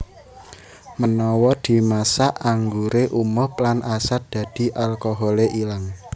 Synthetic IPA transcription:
mənɔwɔd̪̥i̤masaʔaŋɡuɾeʔumɔhplanʔasat̪̚d̪̥ä̤d̪̥i̤ʔalkɔɦɔleʔilaŋ

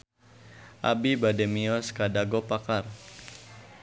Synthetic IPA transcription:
ʔa̰bibadɛmiɔskadaɡɔpakar

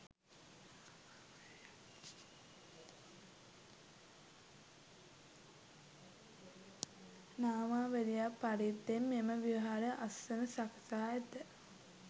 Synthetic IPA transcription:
naːmaːʋed̪ijapːaɾit̪ːemːeməʋiɦaɾəʔasːənəsaksaːet̪ə

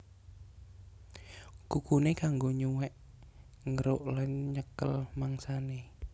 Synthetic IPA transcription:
kukunekaŋɡoɲuwɛʔ | ŋəɾoʔlanɲəkəlmaŋsane

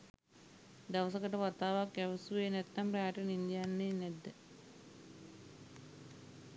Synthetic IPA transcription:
d̪aʋəsəkəʈəʋat̪aːʋakːæʋəsuʋenɛt̪ːampraaːʈənind̪ijanːeːnɛd̪ːə

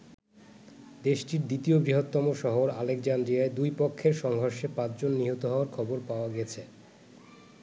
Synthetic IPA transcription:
d̪eʃʈiɾd̪it̪iobɾiɦot̪ːɔmoʃɔɦoɾalek̚d͡ʑand̪ɾijaed̪ujpokʰːeɾʃɔŋɡʱoɾʃepãt͡ɕd͡ʑonːiɦot̪oɦɔoaɾkʰɔboɾpaoaɡɛt͡ɕʰe

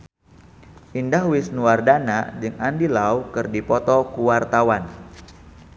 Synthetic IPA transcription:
ʔindahwɪsnuardanad͡ʒɨŋandilaukɨrdipɔt̪ɔkuwart̪awan

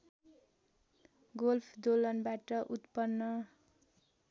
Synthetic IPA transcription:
ɡolpʰd̪olʌnbaʈʌʔut̪pʌnːʌ

